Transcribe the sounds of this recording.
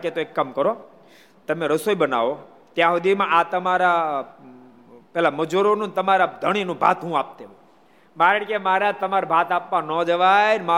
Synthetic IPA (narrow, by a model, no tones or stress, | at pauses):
ket̪oekːamkəɾo | t̪əmeɾəsoibəna̰ʋo | t̪jãɦod̪imãʔat̪əmaɾa | pɛlaməd͡ʒuɾonũnt̪əmaɾad̪ʱəɽ̃inũbʱa̰t̪ɦũap̚t̪eũ | maɾeɽkemaɾat̪əmaɾbʱat̪apʋãnɔd͡ʒəʋajnma